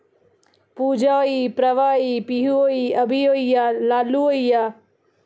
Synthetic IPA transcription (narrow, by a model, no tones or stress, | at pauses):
puːd͡ʒaipɾɐʋaːipiɦuoːiɐbʱijoːjjalaːluojja